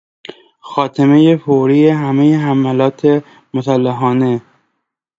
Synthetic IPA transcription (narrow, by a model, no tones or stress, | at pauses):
xɒːt̪ʰemejefoɾiːjeɦæmejeɦæmælɒːt̪ʰe | mosælːæɦɒːne̞